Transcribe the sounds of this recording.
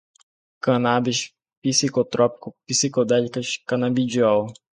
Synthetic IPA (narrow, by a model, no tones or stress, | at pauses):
kãnabiʃ | pisikot̪ɾɔpi̥kʊpisikod̪ɛlikɐʃkanabid͡ʒiaw